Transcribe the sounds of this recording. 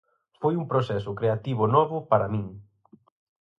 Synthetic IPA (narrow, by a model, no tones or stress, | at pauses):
fojuŋpɾosɛsʊkɾeat̪iβʊnɔβʊpaɾɐmĩŋ